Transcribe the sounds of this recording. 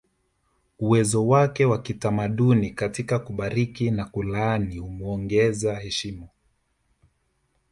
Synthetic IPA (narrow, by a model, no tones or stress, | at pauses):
uwɛzɔwakɛwakitamaɗunikatikakuɓaɾikinakulanihumuɔŋɡɛzahɛʃimɔ